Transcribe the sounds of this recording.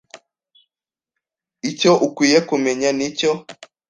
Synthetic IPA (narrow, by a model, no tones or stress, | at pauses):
icoʔukwijekumeɲanico